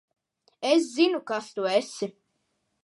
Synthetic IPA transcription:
es̬zinukast̪uesɪ

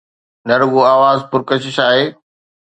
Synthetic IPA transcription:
nɐɾʊɡoaːʋaːzpʊɾkɐʃɪʃaːɦeː

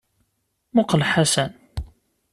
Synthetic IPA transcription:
mʊqlħasæn

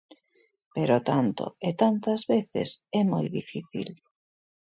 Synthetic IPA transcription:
peɾot̪ant̪o̰et̪ant̪ɐzβeθɪ̰sɛmojðifiθḭl

